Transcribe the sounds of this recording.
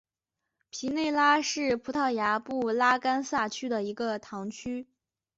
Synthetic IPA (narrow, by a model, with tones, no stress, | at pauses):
pʰi˧˥ne˥˩ɪla˥ʂɻ̩˥˩pʰu˧˥t̪ʰɑ˥˩ʊja˧˥pu˥˩la˥ka˥nsa˥˩t͡ɕʰy˥d̪ə˨i˧˥ɡə˧t̪ʰɑ˧˥ŋt͡ɕʰy˥